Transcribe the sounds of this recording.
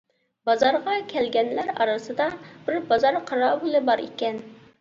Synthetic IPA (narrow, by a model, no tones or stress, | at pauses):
bɑzɑɾʁɑkʲʰɛlɡʲɛnlæɾɑ̰ɾɨsɨd̪ɑb̥ɪɾbɑzɑɾqʰɑɾɑːbulˠɨbɑɾḛkʲɛn